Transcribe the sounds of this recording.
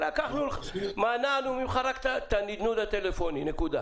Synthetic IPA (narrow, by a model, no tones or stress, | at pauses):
ɾakaχnulmananumimχaɾakt̪at̪anid̪nulat̪elefoninekud̪a